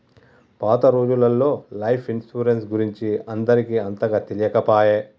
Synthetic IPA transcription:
paːt̪ɐɾoːd͡ʒulɐlːo̞ːlɐjpʰinsʈuːɾensɡuɾiɲt͡ʃiɐnd̪ɐɾikiːɐnt̪ɐɡaːt̪elijɐkɐpaːjeː

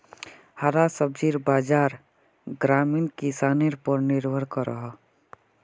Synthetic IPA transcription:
haɾasəbd͡ʒiɾbaːd͡ʒaːɾ | ɡɾaminkisaneɾpəɾniɾbʱəɾkəɾə̰ɦɔ

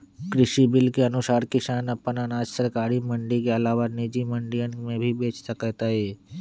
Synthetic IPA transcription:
kɾɪʃibɪlkeɐnʊsaːɾkɪsaːnɐpənənaːd͡ʒsəɾkaːɾimə̃ɳɖikeɐlaːʋanɪd͡ʒimə̃ɳɖijənmẽbʱibeːt͡ʃsəkət̪aɦɛː

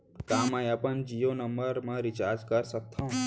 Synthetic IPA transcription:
kamãjapənd͡ʒijonəmbəɾmãɾit͡ʃaɾd͡ʒkəɾsək̚t̪ʰã

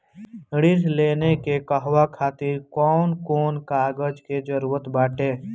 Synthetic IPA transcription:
ɽɪɾleːnekekəɦwakʰaːt̪ɪɾkɔːnkoːnkaːɡəd͡ʒked͡ʒəɾuːɾət̪baːʈeː

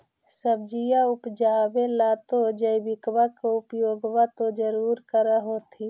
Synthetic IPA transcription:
səb̚d͡ʒijaʊpd͡ʒabelat̪od͡ʒəibɪkbakoupjoːɡwat̪od͡ʒəɾuːɾkəɾəɦot̪ʰi

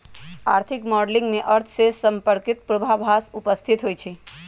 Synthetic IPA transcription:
aɾt̪ʰɪkmɔɖlɪ̃ŋɡmẽʔəɾt̪ʰsesəmpəɾkɪt̪̚pɾobʱabʱasupəst̪ʰit̪ɦojt͡ʃʰe

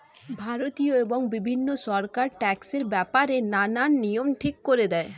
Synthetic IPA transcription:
bʱaɾot̪ijoeboŋbibʱinːoʃɔɾkaɾʈɛkseɾbɛpaɾenananːijomʈʰikːoɾed̪ɛe

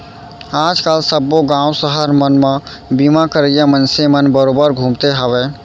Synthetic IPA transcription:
ad͡ʒkalsəbːoɡãusəɦəɾmənme | bimakəɾəjamənsemənbəɾobəɾɡʱũmt̪eɦəbɛ

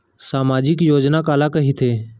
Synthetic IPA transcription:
saːmaːd͡ʒɪkjoːd͡ʒnaːkaːlaːkəɦiːt̪ʰeː

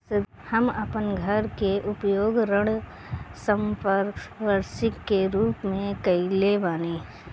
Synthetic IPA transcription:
sɪ | hɐmɐpənɡʱɐɾkeʔʊpjoːɡɾəɽ | sə̃mpəɾkʋəɾʃɪkːeɾuːpmẽkɐileʋaːneː

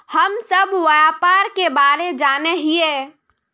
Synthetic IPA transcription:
həmsəbʋəjapaːɾkebaːɾed͡ʒaːneɦieː

